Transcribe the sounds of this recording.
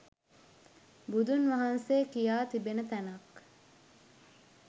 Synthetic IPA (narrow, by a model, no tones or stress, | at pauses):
bud̪unʋɐɦɐnseːkijaːt̪ibenət̪ænɐk